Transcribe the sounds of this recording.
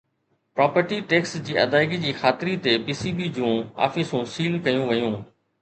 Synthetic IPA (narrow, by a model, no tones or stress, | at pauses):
pɾaːpəɾʈiʈɛːksd͡ʑiːʔɐ̰d̪aːɪɡid͡ʑiːxaːt̪ɪɾit̪epiːsiːbid͡ʑũːa̰ːfɪsũːsiːlkɐjũʋɐjũː